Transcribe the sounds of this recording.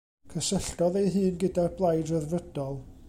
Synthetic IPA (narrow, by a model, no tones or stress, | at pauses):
kʰəsəɬdɔðejɦɨːnɡədarblˠajdrərvəd̥ɔlˠ